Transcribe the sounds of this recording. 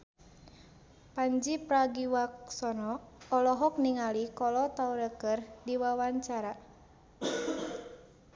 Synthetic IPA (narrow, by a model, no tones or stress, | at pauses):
paɲd͡ʒipɾaɡiwaksɔnɔːlɔɦɔk̚niŋalikɔlɔt̪auɾəkərdiwawaɲt͡ʃaɾa